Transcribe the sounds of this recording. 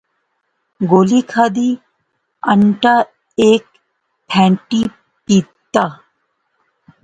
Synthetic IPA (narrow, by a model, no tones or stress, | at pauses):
ɡoːlikʰaːd̪iː | əɳʈa | eːk̚ | pʰɛ̃ːɳʈi | piːt̪ːaː